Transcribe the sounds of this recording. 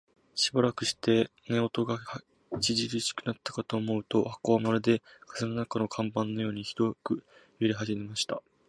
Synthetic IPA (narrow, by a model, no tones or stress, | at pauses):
ɕibaɾakɯ̟ɕi̥t̪e̞ | ne̞o̞t̪o̞ɡah | t͡ɕiʑiɾɯɕi̥kɯ̟nat̪ːḁkat̪o̞ːmo̞ɯ̟t̪o̞hako̞amaɾɯ̟d̪e̞kaseno̞nakano̞kʰãmbãnːo̞jo̞ːɲ̟içi̥d̪o̞kɯ̟jɯɾʲiɦaʑime̞maɕi̥t̪a